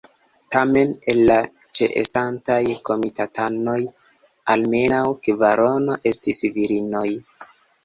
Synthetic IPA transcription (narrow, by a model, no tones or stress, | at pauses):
tame̞ne̞lːa | t͡ʃe̞̰ʔḛstantajko̞mitatano̞j | alme̞nawkvaɾo̞no̞ʔe̞stisviɾino̞j